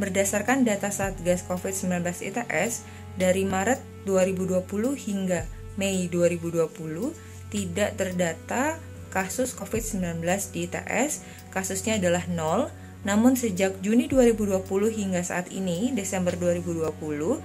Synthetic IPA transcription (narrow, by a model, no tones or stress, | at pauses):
bərdasarkandat̪asaːt̪̚ɡaskofɪt̪̚səmbilanbəlasḭt̪aʔɛs | daɾimaɾət̪̚duaɾibuduapulʊhhiŋɡa | meiduaɾibuduapuluh | t̪idaʔt̪ərdat̪a | kasʊskofɪt̪̚səmbilanbəlasdit̪a̰ʔɛs | kasʊsɲaːdalahnɔl | namʊnsəd͡ʒak̚d͡ʒuniduaɾibuduapulʊhɦiŋɡasa̰at̪ḭnidesɛmbərduaɾibuduapulʊh